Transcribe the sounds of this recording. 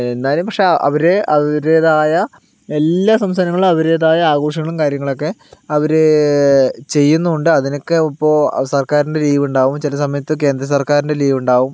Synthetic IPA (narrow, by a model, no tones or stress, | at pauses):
enːaːilmpɐkʂe̞ɐ̰ʋɐɾeɐɾeːðaːjɐ | elːaːsɐmst̪ɐnɐŋːɐɭumɐʋɐɾe̞ːðaːjɐaːɡo̞ːʂɐŋːɐɭumkaːɾjɐŋːɐɭo̞kːe̞ɐʋɐɾe | t͡ɕe̞jːunːuuɳɖɨɐðino̞kːeipːo̞ːsɐrkaːɾinde̞liːʋuɳɖaːʋumt͡ɕilɐsɐmɐjɐt̪ːɨke̞ːnd̪rɐs̬ɐrkaːɾinde̞liːʋuɳɖaːʋum